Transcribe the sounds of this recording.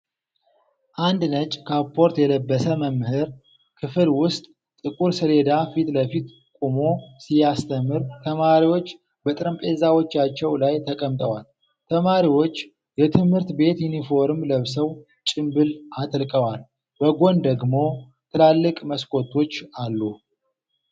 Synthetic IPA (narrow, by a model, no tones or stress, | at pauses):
ʔand̪nət͡ʃʼkʰapʰːo̞ɾt̪jɛləbːəsəməmhɨɾ | kʰɨfɨlwʊst̪ʼ | t̪ʼɨkʼuɾsɨle̞d̪afit̪ləfit̪ | kʼumo̞sijast̪ʰəmːɨɾt̪ʰəmaɾiwo̞t͡ʃː | bət̪ʼɨɾəmpʼezawo̞t͡ʃːat͡ʃːɛwlajt̪ʰəkʼəmt̪ʼəwal | t̪ʰəmaɾiwo̞t͡ʃː | jɛt̪ʰɨmhɨɾt̪be̞t̪junifo̞ɾɨmləβsəw | t͡ʃʼɪmbɨlat̪ʼlkʼəwal | bəɡo̞nd̪əɡmo̞ | t̪ʰɨlalːɨkʼməskʼo̞t̪ʰːo̞t͡ʃːalːu